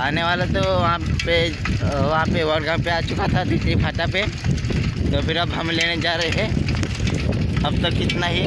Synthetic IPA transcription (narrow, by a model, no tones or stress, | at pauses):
aːneʋaːlat̪oʋɐɦãpe | ʋɐɦãpeʋɐɽɡãpeaːt͡ʃʊkat̪ʰad̪it̪ibʱaːʈape | t̪opʰɪɾɐbɦɐmleːned͡ʒaːɾəɦɛ | ɐbt̪ɐkɪt̪naɦi